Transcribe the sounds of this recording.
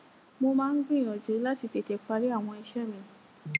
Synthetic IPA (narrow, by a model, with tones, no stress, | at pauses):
mo˧mãː˦˧n̩˦ɡ͡bĩ˦˨õ˨d͡ʒu˨˦la˦ti˧te˨˧˨te˧˦k͡pa˧ɾi˦a˦˨w̃ɔ̃˧i˧ʃɛ˦˨mĩ˧